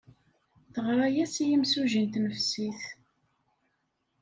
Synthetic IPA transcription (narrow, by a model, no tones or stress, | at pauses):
θəʁɾˤæjæsijimsuʒint̪nəfsiθ